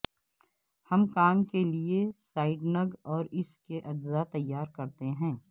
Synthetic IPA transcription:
hɐmkaːmkeliesaːɪɖnɐɡɔːɾɪskeʔɐd͡ʒzat̪ɐjːaːɾkɐɾt̪eɦɛ̃ː

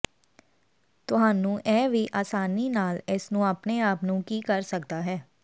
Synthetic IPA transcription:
t̪ʊɦaːnũːʔɛːʋiːʔaːsaːniːnaːlɪsnũːəpneːaːpnũːkiːkəɾsəkd̪aːɦɛː

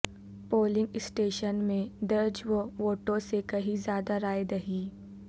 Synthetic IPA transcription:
poːlɪ̃ŋɡɪsʈeːʃənmẽd̪ɐɾd͡ʒʋoʋoːʈõsekɐɦĩzjaːd̪aɾaːed̪ɐɦiː

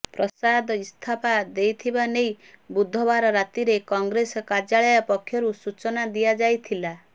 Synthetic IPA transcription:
pɾɔsad̪ɔist̪ʰapad̪ejt̪ʰibanej | bud̪ʱɔbaɾɔɾat̪iɾekɔŋɡɾesɔkaɾd͡ʒaɭɔjɔpɔkʰːjɔɾusut͡ʃɔnad̪ijad͡ʒajt̪ʰila

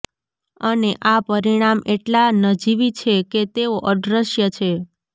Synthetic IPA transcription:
əneʔapəɾiɽ̃ameʈlanəd͡ʒiʋit͡ʃʰeket̪eoʔəd̪ɾəʃjət͡ʃʰe

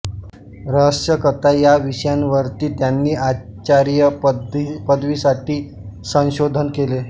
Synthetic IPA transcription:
ɾəɦəsjəkət̪ajaʋiɕjanʋəɾt̪iːt̪janːiːat͡ɕaɾjə | pəd̪ʋiːsaʈiː | sə̃w̃ɕod̪ʱənkele

